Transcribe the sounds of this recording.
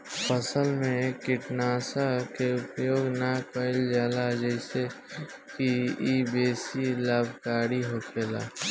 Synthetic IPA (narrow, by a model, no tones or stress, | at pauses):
pəsəlmẽkɪʈnaːsakeʊpjoːɡnakəɪld͡ʒaːlad͡ʒɛɪse | kiibeːsilaːbʱkaːɾiɦokʰeːla̰ː